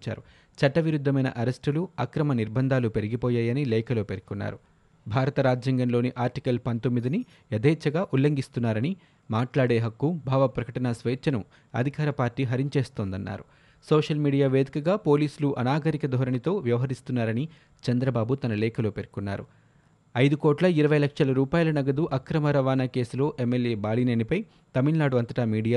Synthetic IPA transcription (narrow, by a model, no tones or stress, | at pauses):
t͡ʃa̰ːɾu | t͡ʃɐʈːɐʋiɾud̪ʱːɐmɐjnɐ̰ʔɐɾesʈuluɐkɾɐmɐniɾbʱɐnd̪ʱaːlupe̞ɾiɡipɔːjaːjɐnilɛːkɐlo̞ːpe̞ɾkunːa̰ːɾu | bʱaːɾɐt̪ɐɾaːd͡ʒjɐŋɡɐnlo̞ːniʔaːɾʈikɐlpɐnt̪o̞mːid̪ini | ɐd̪ɛːt͡ʃːɐɡaːʔulːɐŋɡist̪unːaːɾɐni | maːʈlaːɽeːɦɐkːubʱaːʋɐpɾɐkɐʈɐnasʋeːt͡ʃːɐnu | ɐ̰d̪ʱikaːɾɐpaːɾʈːiːɦɐɾiɲt͡ʃe̞ːst̪o̞ːnd̪ɐnːa̰ːɾu | soːʂɐlmiːɽijaːʋe̞ːd̪ikɐɡaːpo̞ːliːsuluʔɐnaːɡɐɾikɐd̪ʱɔːɾɐɳit̪o̞ːʋjɐʋɐɦɐɾist̪unːaːɾɐni | t͡ʃɐnd̪ɾɐbaːbut̪ɐnɐlɛːkɐloːpe̞ɾkunːa̰ːɾṵ | ɐjd̪ukɔːʈlɐiɾɐʋɐjlɐkʂɐlɐɾuːpaːjɐlɐnɐɡɐd̪uʔɐkɾɐmɐɾɐʋaːnɐke̞ːsulo̞ːʔemːeljeːbaːlinɐnipɐj | t̪ɐmilnaːɽuɐnt̪ɐʈamiːɽijaː